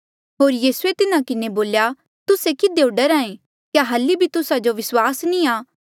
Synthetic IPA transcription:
ɦoːɾjiːsuet̪ɪnãkɪneboːlja | t̪ʊsekɪd̪eʊɖəɾãːẽ | kjaɦɐlːibʱit̪ʊsad͡ʒoʋɪswaːsnĩaː

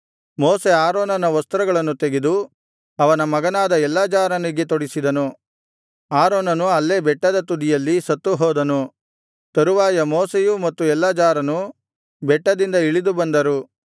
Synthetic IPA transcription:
moːse̞aːɾoːnɐnɐʋɐst̪ɾɐɡɐɭɐnːut̪e̞ɡed̪u | ɐʋɐnɐmɐɡɐnaːd̪ɐɛlːaːd͡ʒaːɾɐniɡet̪oɽisid̪ɐnu | aːɾoːnɐnuɐlːe̞ːbɛʈːɐd̪ɐt̪ud̪ijɐlːisɐt̪ːuɦɔːd̪ɐnu | t̪ɐɾuʋaːjɐmoːsejumɐt̪ːuɛlːaːd͡ʒaːɾɐnu | bɛʈːɐd̪ind̪ɐiɭid̪ubɐnd̪ɐɾu

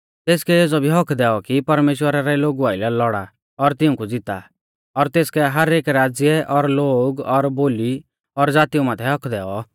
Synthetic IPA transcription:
t̪eːskɛed͡zɔbʱiɦɔkʰd̪ɛːɔkipɐɾmeːʃwəɾaɾɛloːɡuaːɪlɛlɔɽa | ɔɾt̪ɪʊ̃kud͡zɪt̪a̰ | ɔɾt̪eːskɛɦɐɾeːkɾaːd͡zjɛʔɔɾloːɡɔɾboːli | ɔɾd͡zaːt̪iumãːt̪ʰɛɦɔkʰd̪ɛːɔ

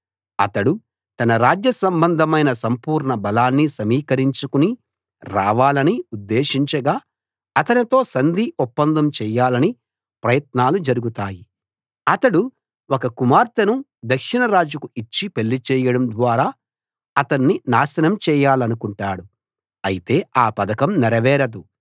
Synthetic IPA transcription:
ɐ̰t̪ɐɽu | t̪ɐnɐɾaːd͡ʒjɐsɐmbɐnd̪ʱɐmɐjnɐsɐmpuːɾɳɐbɐlaːnːisɐmiːkɐɾiɲt͡ʃukuni | ɾaːʋaːlɐniud̪ːeːʃiɲt͡ʃɐɡaː | ɐt̪ɐnit̪o̞ːsɐnd̪iʔɔpːɐnd̪ʱɐmt͡ʃɛːjaːlɐni | pɾɐjɐt̪naːlud͡ʒɐɾuɡut̪aːji | ɐt̪ɐɽu | ɔkɐkumaːɾt̪ɐnu | d̪ɐkʂiɳɐɾaːd͡ʒukuit͡ʃːipe̞lːit͡ʃɛːjɐɽɐmd̪ʋaːɾaː | ɐt̪ɐnːinaːsɐnɐmt͡ʃɛːjaːlɐnukuɳʈaːɽu | ɐjit̪e̞ːaːpɐd̪ɐkɐmnɛɾɐʋɛːɾɐd̪u

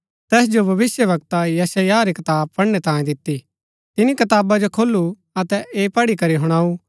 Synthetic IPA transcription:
t̪ɛːs̬d͡ʒobʱɐʋɪsjəbɐk̚t̪ajɛsajaɾikɐt̪aːb̚pɐɽñet̪ãːjẽd̪ɪt̪ːi | t̪ɪnikɐt̪aːbad͡ʒokʰoːlːu | ɐt̪ɛʔeːpɐɽikɐɾiɦʊɽ̃aːu

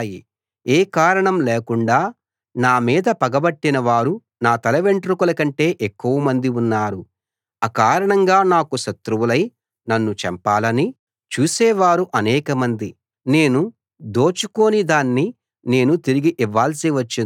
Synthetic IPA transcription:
ji | eːkaːɾɐɳɐmleːkuɳɖaː | naːmiːd̪ɐpɐɡɐbɐʈːinɐʋaːɾu | naːt̪ɐlɐʋeɳʈɾukulɐkɐɳʈe̞ːʔekːuʋɐmɐnd̪iunːaːɾu | ɐkaːɾɐɳɐŋɡaːnaːkuʃɐt̪ɾuʋulɐj | nɐnːut͡ʃɛmpaːlɐni | t͡ʃuːsɛːʋaːɾuʔɐnɛːkɐmɐnd̪i | ne̞ːnu | d̪o̞ːt͡ʃuko̞ːnid̪aːnːi | ne̞ːnut̪iɾiɡiʔiʋːaːlsiʋɐt͡ʃːin

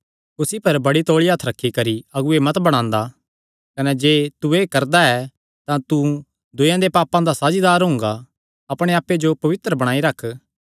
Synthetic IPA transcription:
kʊsipɐɾbɐɽit̪oːɭiɦɐt̪ʰːɾɐkʰːikɐɾiɐɡuemɐt̪bɐɽ̃ãːnd̪a | kɐnɛd͡ʒeːt̪uekɐɾd̪aɛ | t̪ãt̪u | d̪ʊjãd̪epaːpãd̪asaːd͡ʒid̪aːɾɦʊ̃ŋɡa | ɐpɽ̃eaːpːed͡ʒopɐʋɪt̪ɾəbɐɽ̃ãːiɾɐkʰː

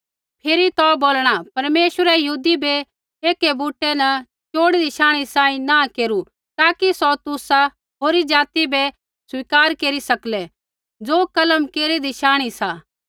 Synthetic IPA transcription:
pʰɪɾit̪ɔboːlɽ̃apɐɾmeːʃwəɾɛjɐɦuːd̪ibɛ | eːkebuːʈːɛnɐ | t͡ʃoːɽid̪ʱiʃaːɽ̃isãːĩnãkeːɾu | t̪aːkisɔt̪ʊsa | ɦoːɾid͡ʒaːt̪ibɛ | sʊiːkaːɾkeːɾisɐklɛ | d͡zoːkɐləmkeːɾid̪ɪʃaːɽ̃isaː

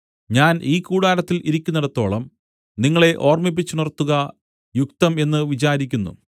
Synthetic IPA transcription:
ɲaːniːkuːɽaːɾɐt̪ːilʔiɾikʲːunːɐɽɐt̪ːo̞ːɭɐm | niŋːɐɭe̞ʔo̞ːrmip̬ːit͡ɕːunirɐt̪ːuɣɐ | jukt̪ɐme̞nːɨʋit͡ɕaːɾikʲːunːṵ

